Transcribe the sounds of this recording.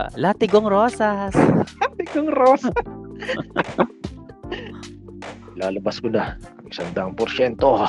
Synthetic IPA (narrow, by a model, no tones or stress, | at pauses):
laːt̪ɪɡoŋɾoːsaslat̪ɪɡoŋɾoːs | laːlɐbɐskʊna | sɐnd̪aŋpoɾʃɛnt̪o